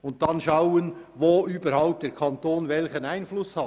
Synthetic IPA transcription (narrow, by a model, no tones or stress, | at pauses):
ʊnt̚tɑnʃɑʊənʋoːʔyːbəɾhaʊp̚td̥ɛɾkʰɑntoːnvɛlçənæɪnflʊshɑt